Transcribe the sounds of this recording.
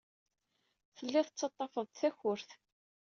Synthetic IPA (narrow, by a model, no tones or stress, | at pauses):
θəlːɪθət͡sːɑt̪ˤːɑfəðˤt̪θæçʊɾθ